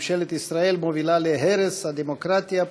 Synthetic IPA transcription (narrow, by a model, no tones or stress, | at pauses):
ʃelit̪isɾaelmoʋilalieɦɛɾɛsad̪ɛmokɾat̪ija